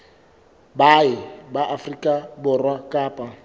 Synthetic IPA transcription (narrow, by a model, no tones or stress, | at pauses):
baɪbaʔafrikʼabʊrwakʼaːpʼa